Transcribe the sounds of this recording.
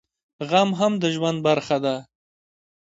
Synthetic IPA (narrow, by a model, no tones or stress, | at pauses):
ɣamɦamd̪əʒwand̪̚baɾxad̪a